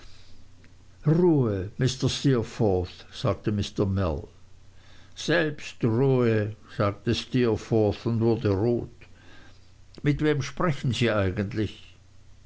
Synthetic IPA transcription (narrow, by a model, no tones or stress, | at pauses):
ʁuːəmɪstəstiːfɔːθz̥aːk̚təmɪstəmɛ̰l | z̥ɛlpstʁuːəz̥aːk̚təstiːɐfɔɹθʊndvʊɐdəʁoːt | mɪtv̥eːmʃpʁ̥ɛçn̩ziːʔaɪɡəntlɪç